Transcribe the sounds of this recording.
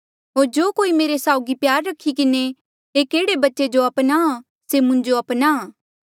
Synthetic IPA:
ɦoːɾd͡ʒoːkoːimeːɾesaːʊɡipjaːɾːɐkʰːikɪne | eːkeːɽebɐtːʃed͡ʒoɐpna | semʊ̃ɲd͡ʒoɐpna

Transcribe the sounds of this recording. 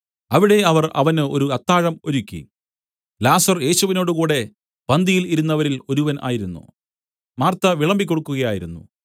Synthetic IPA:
ɐʋiɽe̞ɐʋɐrɐ̰ʋɐnɨo̞̰ɾuɐt̪ːaːɻɐmo̞ɾukʲːḭ | laːsɐrje̞ːɕuʋino̞ːɽukuːɽe̞ | b̥ɐnd̪ijiliɾunːɐʋɐɾilo̞ɾuʋɐnʔa̰ːjiɾunːṵ | maːrt̪ɐʋiɭɐmbik̬ʲːo̞ɽukːuɣɐjaːjiɾunːṵ

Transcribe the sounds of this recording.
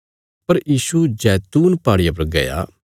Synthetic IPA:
pɐɾjiːsud͡ʒɛːt̪uːnpaːɽɪjapɐɾɡɐ̰ja̰ː

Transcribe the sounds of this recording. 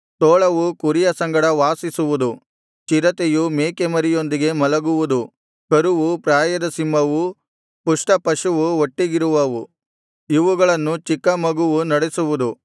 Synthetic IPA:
t̪oːɭɐʋukuɾijɐsɐŋɡɐɽɐʋaːsisuʋud̪u | t͡ʃiɾɐt̪ejumeːkemɐɾijo̞nd̪iɡe̞mɐlɐɡuʋud̪u | kɐɾuʋupɾaːjɐd̪ɐsimːɐʋu | puʂʈɐpɐʂuʋuoʈːiɡiɾuʋɐʋu | iʋuɡɐɭɐnːut͡ʃikːɐmɐɡuʋunɐɽesuʋud̪u

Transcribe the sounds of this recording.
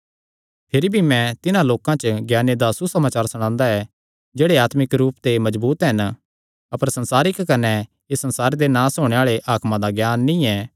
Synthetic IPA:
pʰɪɾibʱimɛ̃t̪ɪnãloːkãt͡ʃəɡjaːned̪asusɐmaːt͡ʃaːɾsɐɽ̃ãːnd̪aɛ | d͡ʒeːɽeaːt̪mɪkɾuːpt̪emɐzbuːt̪ɦɐn | ɐpəɾsɐ̃nsaːɾɪkːɐnɛ | esɐ̃nsaːɾed̪enãːsoːɽ̃eaːɭeʔaːkmãd̪aɡjaːnːĩɛː

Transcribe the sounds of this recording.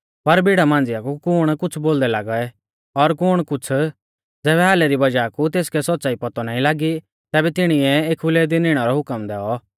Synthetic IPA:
pɐɾbɪɽamãːnd͡zɪjakukʊɽ̃kʊt͡sʰboːld̪ɛlaːɡɔɛ | ɔɾkʊːɽ̃kʊt͡sʰ | d͡zɛːβɛɦaːlɛɾibɐd͡ʒaːkut̪eːskɛsɔt̪̚ːsaːipɐt̪ɔnaːĩlaːɡi | t̪ɛːbɛt̪ɪɽ̃iɛeːkʰʊlɛd̪ɪnɪɽ̃ɔɾɔɦʊkəmd̪ɛɔ

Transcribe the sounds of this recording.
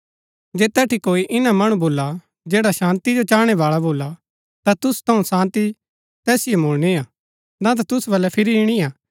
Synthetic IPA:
d͡ʒeːt̪ɛːʈikoːiʔɪnamɐɽ̃ũboːla | d͡ʒeːɽaʃãːnt̪id͡ʒot͡ʃaːɽ̃eʋaːɭaboːla | t̪at̪ʊst̪ʰɐũsãːnt̪i | t̪ɛːsɪjomoːɭniaː | d̪ãːt̪̬at̪ʊsbɐlːɛpʰɪɾiɪɽ̃iaː

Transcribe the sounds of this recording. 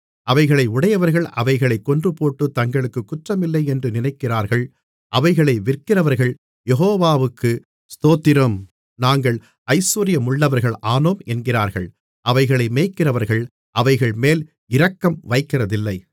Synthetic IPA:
ʔɐʋɐɪɣɐɭɐɪʊɽɐjɐʋɐɾɣɐɭɐ̰ʋɐɪɣɐɭɐɪkːɔndrɯpoːʈːɯt̪ːɐŋɡɐɭɯkːɯkːʊʈrɐmɪlːɐɪɛndrɯnɪnɐɪkːɪraːɾɣɐɭ | ʔɐʋɐɪɣɐɭɐɪʋɪrkɪrɐʋɐɾɣɐɭ | jɛɦoːʋaːʋɯkːɯ | st̪oːt̪ːɪɾɐm | naːŋɡɐɭ | ɐɪsuːɾɪjɐmʊɭːɐʋɐɾɣɐɭʔaːnoːmɛnɡɪraːɾɣɐɭ | ʔɐʋɐɪɣɐɭɐɪmeːkːɪrɐʋɐɾɣɐɭ | ʔɐʋɐɪɣɐɭmeːl | ɪɾɐkːɐmʋɐɪkːɪrɐðɪlːɐɪ

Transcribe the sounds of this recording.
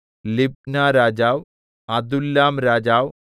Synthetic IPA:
lib̚naːɾaːd͡ʑaːw | ɐd̪ulːaːmɾaːd͡ʑaːw

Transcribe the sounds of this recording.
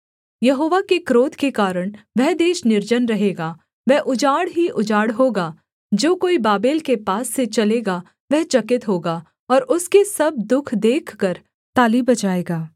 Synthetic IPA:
jɐɦoːʋakekɾoːt̪kekaːɾəɽ̃ʋɛɦd̪eːʃnɪɾd͡ʒənɾɐɦeːɡaː | ʋɛɦʔʊd͡ʒaːɽɦiʔʊd͡ʒaːɽɦoːɡaː | d͡ʒoːkoːibaːbeːlkepaːsːet͡ʃɐleːɡa | ʋɛɦt͡ʃɐkɪt̪ɦoːɡaː | ɔːɾʔʊskesɐb̚d̪ʊkʰd̪eːkʰkəɾ | t̪aːlibɐt͡ʃaːeːɡaː

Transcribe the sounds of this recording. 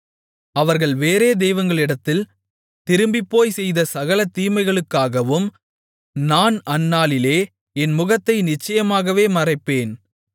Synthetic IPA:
ɐʋɐɾɣɐɭʋeːɾeːd̪eːʋɐnɡɐɭɪɽɐt̪ːɪl | t̪ɪɾɯmbɪpːoːjsɛjðɐsɐɣɐlɐt̪ːiːmɐɪɣɐɭɯkːaːɣɐʋɯm | naːnɐnːaːlɪleː | ɛnmʊɣɐt̪ːɐɪnɪt͡ʃːɐjɐmaːɣɐʋeːmɐrɐɪpːeːn

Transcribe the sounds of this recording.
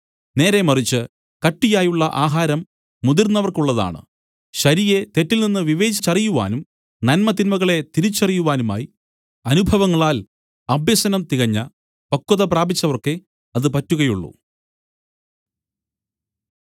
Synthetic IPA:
ne̞ːɾemɐrit͡ɕːɨ | kɐʈːijaːjuɭːɐʔaːɦaːɾɐmː | ud̪irnːɐʋɐrkuɭːɐða̰ːɳɨ̰ | ɕɐɾijet̪e̞tːilninːɨʋiʋe̞ːd͡ʑit͡ɕːɐrijuʋa̰ːnum | nɐnmɐt̪inmɐɣɐɭe̞t̪iɾit͡ɕːɐrijuʋaːnuma̰ːji | ɐnubʱɐʋɐŋːɐɭaːl | ɐbʱjɐsɐnɐmt̪iɣɐɲːɐ | pɐkːuðɐpraːbit͡ɕːɐʋɐrke | ɐðɨpɐtːuɣɐjuɭːṵ

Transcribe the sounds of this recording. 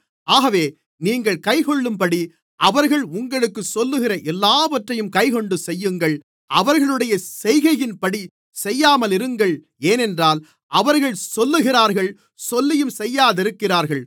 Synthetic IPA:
aːɣɐʋeː | niːŋɡɐɭkɐɪkɔɭːɯmpɐɽi | ʔɐʋɐɾɣɐɭʊŋɡɐɭɯkːɯsɔlːɯɣɪɾɐʔɛlːaːʋɐʈrɐjɯmkɐɪkɔɳɖɯsɛjːɯŋɡɐɭ | ʔɐʋɐɾɣɐɭɯɽɐjɐsɛjɣɐjɪnpɐɽi | sɛjːaːmɐlɪɾɯŋɡɐɭ | eːnɛndraːl | ʔɐʋɐɾɣɐɭsɔlːɯɣɪɾaːɾɣɐɭ | sɔlːɐjɯmsɛjːaːðɪɾɯkːɪraːɾɣɐɭ

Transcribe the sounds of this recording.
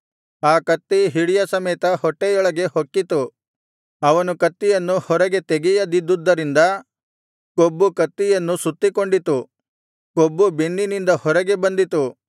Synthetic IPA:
aːkɐt̪ːiɦiɽijɐsɐmɛːt̪ɐhɔʈːɛjɔɭɐɡe̞hokːit̪u | ɐʋɐnukɐt̪ːijɐnːuhɔɾɐɡe̞t̪eɡɛjɐd̪id̪ːud̪ːɐɾind̪ɐ | kobːukɐt̪ːijɐnːusut̪ːiko̞ɳɖit̪u | kobːubenːinind̪ɐhɔɾɐɡebɐnd̪it̪u

